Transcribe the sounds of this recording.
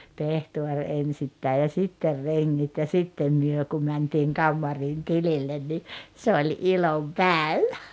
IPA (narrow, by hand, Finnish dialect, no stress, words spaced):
pehtuor ensitːæi jɑ sitːer reŋːit jɑ sitːem myø kum mæntiːŋ kɑmːɑriːn tililːen ni se olʲ ilompæˑeʋæ